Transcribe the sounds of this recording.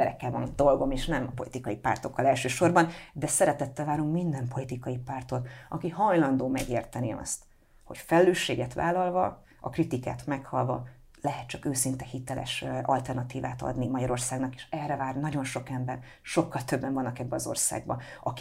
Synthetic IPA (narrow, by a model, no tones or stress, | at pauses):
ɛɾɛ̰kːɛlvɒnd̪o̞lɡo̞meːʃnɛmɒpo̞lit̪ikɒjipa̰ːrt̪o̞kːɒlɛlʃøːʃo̞rbɒnd̪ɛsɛɾɛt̪ɛt̪ːɛlvaːɾuŋkmind̪ɛmpo̞lit̪ikɒjipaːrt̪ot̪ɒkihɒjlɒnd̪oːmɛɡeːrt̪ɛniɒ̰st̪ | ho̞̰cfɛlløːʃːḛːɡɛt̪ʋa̰ːlɒlvɒ̰ | ɒkrit̪ika̰ːt̪mɛkhɒlvɒ | lɛɦɛt̪t͡ʃɒkøːsint̪ɛhit̪ɛlʔɛ̰ʃɒlt̪ɛrnɒt̪iːvaːt̪ɒ̰d̪nimɒɟɒɾo̞rsaːɡnɒke̥ːʃɛrːɛvaːrnɒɟo̞nʃo̞kɛmbɛr | ʃo̞kːɒlt̪øbːɛɱvɒnːɒkɛbːɛɒzo̞̰rsa̰ːɡ̚bɒ̰ | ɒk